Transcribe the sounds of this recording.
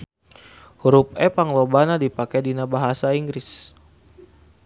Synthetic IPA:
ɾup̚ɛpaŋlobanadipakɛdinabaɦasaiŋɡɾɪs

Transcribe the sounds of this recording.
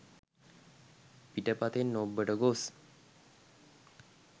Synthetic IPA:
piʈəpat̪enːobːəʈəɡos

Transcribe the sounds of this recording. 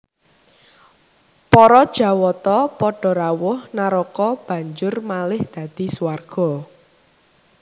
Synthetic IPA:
pɔɾɔd̥ʒ̥a̤wɔt̪ɔpɔɖ̥ɔ̤ɾawʊhnaɾɔkɔb̥ä̤ɲd͡ʒʊrmalɪhd̪̥ä̤d̪̥i̤suwarɡ̥ɔ̤

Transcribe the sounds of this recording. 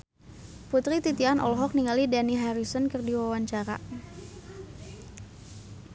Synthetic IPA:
put̪ɾit̪it̪ianɔ̰lɔɦɔk̚niŋalidaniɦaɾisɔnkərdiwawaɲt͡ʃaɾa̰

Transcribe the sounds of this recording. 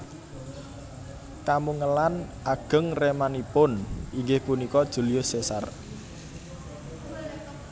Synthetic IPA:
kamuŋəlanʔaɡ̥ə̤ŋremanipʊniŋɡɪhpunikɔd̥ʒ̥ṳliʊsesar

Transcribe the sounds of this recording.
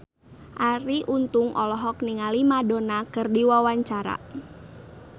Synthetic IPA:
ʔaɾiʔunt̪ʊŋʔɔlɔɦɔk̚niŋalimadonakɨrdiwawaɲt͡ʃaɾa̰

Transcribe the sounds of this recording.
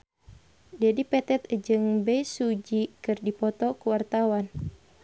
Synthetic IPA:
d͡ʒadipɛt̪ɛt̪̚d͡ʒɨŋbɛjsud͡ʒikɨrdipɔt̪ɔkuwart̪awan

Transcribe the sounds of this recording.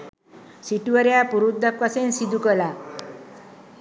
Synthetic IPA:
siʈuʋaɾjapuɾud̪ːakːasensid̪ʱukəla

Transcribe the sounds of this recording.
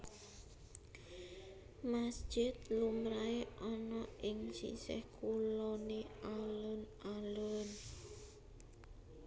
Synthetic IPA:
masd̥ʒ̥ɪt̪lumɾaeʔɔnɔʔɪŋsḭsɛ̰hkulɔneʔalʊn | alʊn

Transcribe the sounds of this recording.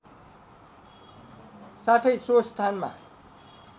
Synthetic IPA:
saʈʰʌjsost̪ʰanma̰

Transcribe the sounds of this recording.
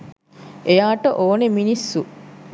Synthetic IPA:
ʔejaːʈəʔoːneminisːu

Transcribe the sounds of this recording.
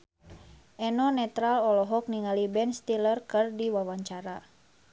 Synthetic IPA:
ʔɛnɔnɛt̪ɾalɔlɔɦɔk̚niŋalibɛnst̪ilərkɨrdiwawaɲt͡ʃaɾa

